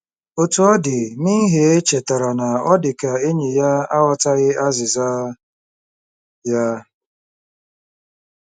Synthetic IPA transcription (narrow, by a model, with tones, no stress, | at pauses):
o˦tu˨ɔ˦dɪ˨ni˦ɦe˨e˦t͡ʃe˨ta˨ɾa˨na˨ɔ˦dɪ˨ka˨e˦ɲe˨ja˦a˦wɔ˨ta˦ɣɪ˦a˦zɪ˨za˦ | ja˦